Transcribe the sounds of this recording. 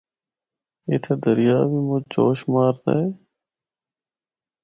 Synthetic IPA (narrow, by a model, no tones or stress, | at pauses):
ɪt̪ʰed̪əɾɪjaːbʱiːmʊd͡ʒd͡ʒoːʃmaːɾt̪a̰ːeː